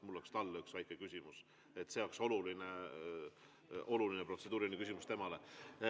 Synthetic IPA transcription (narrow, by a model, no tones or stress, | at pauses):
mulːokst̪ɑlːyksvæjkˑekysʲimus | e̞t̪ːse̞o̞kso̞luline | ʔo̞lulinepro̞t̪se̞d̪uːɾinːikys̬ʲimust̪e̞mɑle̞